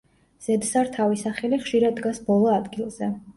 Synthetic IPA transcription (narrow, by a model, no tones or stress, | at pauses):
z̥ɛd̪saɾt̪ʰavisaχɛliχʃiɾad̪̚ɡasbɔlˠɔad̪ɡilˠz̥ɛ